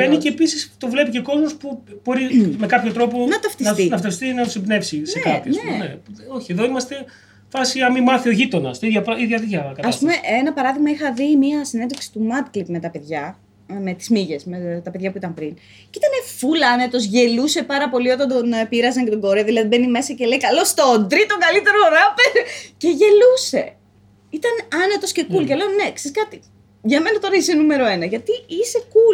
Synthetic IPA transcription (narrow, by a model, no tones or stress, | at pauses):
beniceːpisist̪ovle̞piceko̞zmospub̥o̞ɾimekɐpçot̪ɾo̞ponɐt̪ɐft̪instinɐft̪ɐst̪inɐt̪usebne̞fsiseekɐpçnneo̞çie̞ðo̞imɐst̪e̞ | fɐsiɐmimɐθioʝit̪o̞nɐst̪iðʝɐpɾiðʝɐðiʝɐkɐɐsɐspumeʔenɐpɐɾɐðiɣmɐixɐvimiɐsinend̪oksi̥t̪umɐd̪klipme̞t̪ɐpe̞ðʝɐ | me̞t̪i̥zmiʝe̞smet̪ɐpeðʝɐpuit̪ɐmpɾin | cit̪ɐne̞fulɐne̞t̪o̞zʝe̞luse̞pɐɾɐpo̞lio̞t̪ɐnd̪onpiɾɐzɐɲcet̪oɡo̞ɾeɐðilɐðibenime̞sɐce̞leikɐlo̞st̪ond̪ɾit̪oŋɡɐlit̪e̞ɾo̞ɾɐpeɾce̞ʝe̞luse̞ | it̪ɐnɐne̞t̪o̞sce̞kulceleonne̞kse̞skɐt̪i | ʝɐme̞nɐt̪o̞ɾɐise̞nume̞ɾo̞e̞nɐʝɐt̪iise̞ku